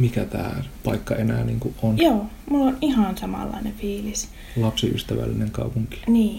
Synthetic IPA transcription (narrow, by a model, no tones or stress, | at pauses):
mikæt̪æ̰ːpɑikːɑenæːnḭːŋkuʔʔonjoː | mulːonihɑnsɑmɑ̰lːɑ̰ineʋfiːlis | lɑpsiʔy̰st̪æʋæ̰lːineŋkɑupuŋki̥niː